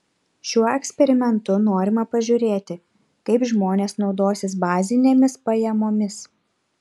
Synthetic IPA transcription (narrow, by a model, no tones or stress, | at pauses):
ʃʲuɔɛksʲpʲɛɾʲɪmʲɛnt̪ʊnoːɾʲɪmɐpɐʒʲʊːɾʲeːt̪ʲɪ | kɐɪpʒmoːnʲeːsnɒʊd̪oːsʲɪsbɑːzʲɪnʲeːmʲɪspɐjɛmoːmʲɪs